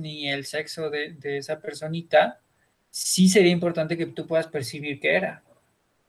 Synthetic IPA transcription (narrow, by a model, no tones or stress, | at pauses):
nie̞lse̞kso̞ðeðe̞esape̞ɾso̞nit̪a | sis̬e̞ɾiaimpo̞ɾt̪ant̪e̞ket̪upwe̞ðaspe̞ɾsiβ̞iɾke̞eɾa